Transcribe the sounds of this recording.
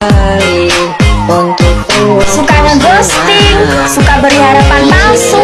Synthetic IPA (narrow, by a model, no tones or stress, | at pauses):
nt̪ukusukanaɡost̪ɪŋ | sukabəriɦaɾapanmaŋsu